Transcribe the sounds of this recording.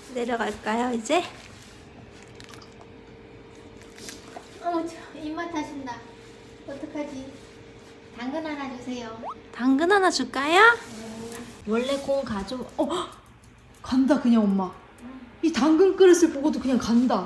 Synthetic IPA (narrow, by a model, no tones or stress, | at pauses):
ne̞ɾjʌɡaɭk͈ajoid͡ʑe̞ | t͡ɕʰoimːatʰaɕʰinda | ʌt͈ʌkʰad͡ʑi | taŋɡɯnanad͡ʑusʰe̞jotaŋɡɯnɦanad͡ʑuɭk͈ajo | wʌɭːe̞k͈oŋkad͡ʑoʌ | kandakɯɲaŋomːa | itaŋɡɯnk͈ɯɾɯsʰɯɭpoɡodokɯɲaŋkanda